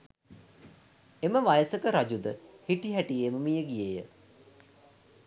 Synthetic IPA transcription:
eməʋajəsəkəɾad͡ʑud̪əhiʈiɦæʈijeməmijəɡijejə

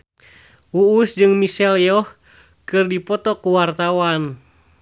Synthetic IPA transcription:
uusd͡ʒɨŋmisɛljɔh | kɨrdipɔt̪ɔkuwart̪awan

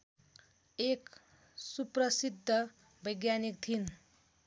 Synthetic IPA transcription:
ek | suprʌsid̪ʱːʌ | bʌjɡjanik̚t̪ʰin

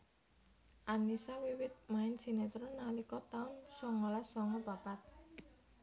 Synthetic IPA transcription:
ʔanisawiwɪt̪̚maɪnsinet̪ɾonalikɔt̪aʊnsɔŋɔlasɔŋɔbapat̪̚

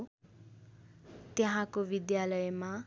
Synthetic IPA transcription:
t̪jʌɦãkobid̪jalʌjma

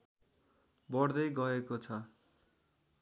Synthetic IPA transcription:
bʌɽd̪ʌjɡʌekot͡sʰʌ

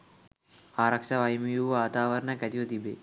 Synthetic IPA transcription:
aːɾɐkʂɐʋɐjmijuʋaːt̪aːʋɐɾɐɳɐkɐt̪iʋɐt̪ibḛ

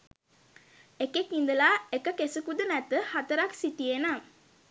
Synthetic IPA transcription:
ekekind̪əlaekəkesəkud̪ənæt̪əhat̪əɾaksit̪iena

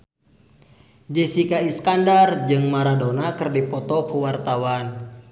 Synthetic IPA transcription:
d͡ʒɛsikaiskandard͡ʒɨŋmaɾadɔnakɨrdipɔt̪ɔkuwart̪awan

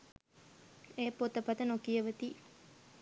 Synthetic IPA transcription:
eːpot̪əpat̪ənokijəʋət̪i

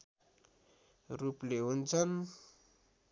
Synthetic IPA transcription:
rupleɦunt͡sʰʌn

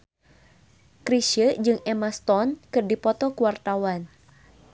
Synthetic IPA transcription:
kɾiʃəd͡ʒɨŋɛmast̪ɔnkɨrdipɔt̪ɔkuwart̪awan

